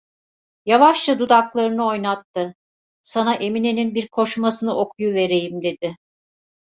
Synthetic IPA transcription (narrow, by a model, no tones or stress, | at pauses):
javaʃlad̪ud̪aklˠaɾɯnɯo̞jnat̪ʰːɯ | sanaʔe̞mineninbiɾkʰo̞ʃumasɯnɯʔo̞kʰujuve̞ɾe̞jimd̪e̞d̪ɪ